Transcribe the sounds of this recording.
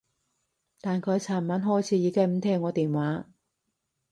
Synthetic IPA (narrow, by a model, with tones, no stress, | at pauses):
t̪aː˨nkʰɵ˨˧˥jt͡sʰaː˨˩nmaː˨˥nɦɔː˧˥˩jt͡sʰiː˨˥jiː˨˧kɛ˥˧m̩˨˥t̪ʰɛː˥ŋːɔː˨˧t̪iː˨˩nwaː˨˥